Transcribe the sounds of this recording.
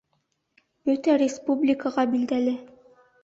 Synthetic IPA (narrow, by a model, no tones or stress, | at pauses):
bɵt̪æɾʲɪspublʲɪkəʁɑbild̪ælɘ